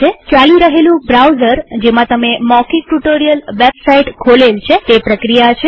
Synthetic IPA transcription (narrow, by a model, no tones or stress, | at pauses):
ekjaliɾəɦelũbɾawzəɾd͡ʒemãt̪əmemɔkiʈuʈoɾijəlʋepsaiʈkʰolelt͡ʃʰet̪epɾəkɾijat͡ʃʰe